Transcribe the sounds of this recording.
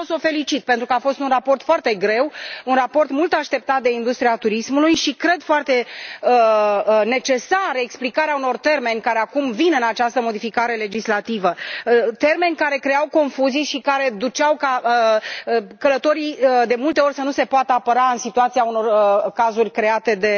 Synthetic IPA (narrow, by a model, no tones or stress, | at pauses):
oso̞fe̞lit͡ʃit̪̚pent̪ɾukəafo̞st̪unrapo̞rt̪foart̪e̞ɡɾe̞wunrapo̞rt̪mult̪aʃt̪e̞p̚t̪at̪̚d̪e̞ind̪ust̪ɾiat̪uɾismulujʃikɾe̞d̪foart̪e̞əne̞t͡ʃe̞saɾəeksplikaɾeauno̞rt̪e̞rme̞nʲkaɾe̞akumvinɨnat͡ʃast̪əmo̞d̪ifikaɾe̞le̞d͡ʒislat̪ivət̪e̞rme̞nʲkaɾe̞kɾe̞jawko̞nfuzijʃikaɾe̞d̪ut͡ʃawka | kələt̪o̞ɾid̪e̞mult̪e̞o̞rʲsənuse̞poat̪əapəɾaɨnsit̪uat̪siauno̞rkazurʲkɾe̞at̪e̞d̪e̞